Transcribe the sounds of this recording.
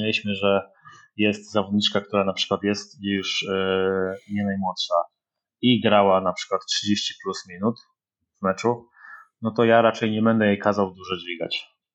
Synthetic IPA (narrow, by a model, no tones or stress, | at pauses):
elʲiɕmɘʐɛ | jɛst̪zavɔd̪ɲit͡ʂkak̚t̪uɾanapʂɘ̥kwat̪jɛst̪juʂ | ɲɛnajmwɔt̪ʂa | iɡɾawanapʂɘ̥kwat̪tʂɘd͡ʑeɕt͡ɕi̥plusmʲinut̪ | vmɛt͡ʂu | nɔt̪ɔjaɾat͡ʂɛjɲɛbɛnd̪ɛjejkazawd̪uʐɔd͡ʑvʲiɡa̰t͡ɕ